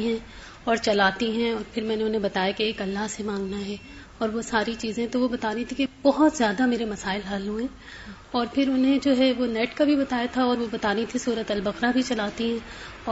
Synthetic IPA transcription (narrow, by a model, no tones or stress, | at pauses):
ɦɛ̃ | ɔːɾt͡ʃɐlaːt̪iɦɛ̃ɔːɾpʰɪɾmɛ̃ːneʊnɦẽbɐt̪aːjakeːkɐlːaɦsemãːŋɡnaɦɛ | ɔːɾʋosaːɾit͡ʃiːzẽɦɛ̃t̪oʋobɐt̪aːɾɐɦĩt̪ʰikeb̥ɔɦʊt̪zjaːd̪ameːɾemɐsaːɪlɦalɦuẽː | ɔːɾpʰɪɾʊnɦẽd͡ʒoːɦɛʋonɛːʈkabʱibɐt̪aːjat̪ʰaɔːɾʋobɐt̪aːɾɐɦĩt̪ʰisuːɾət̪ɐlbɐxɾabʱit͡ʃɐlaːt̪iɦɛ̃ː | ɔː